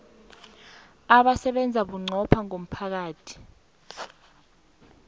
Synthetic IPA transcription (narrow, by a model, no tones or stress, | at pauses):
aɓasɛɓɛnd͡zʱaɓuŋ͡ǀʱɔpʰaŋom̩pʰak̬aːtʰi̥